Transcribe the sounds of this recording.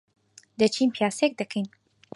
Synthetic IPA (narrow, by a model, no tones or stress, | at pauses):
d̪ɐt͡ʃʰinpʰjaːsek̚d̪ɐkʰejn